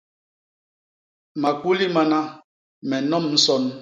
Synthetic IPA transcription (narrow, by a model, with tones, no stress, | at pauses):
ma˨ku˦li˦ma˨na˦ | mɛ˨nɔ˦˨mn̩˦sɔ˦n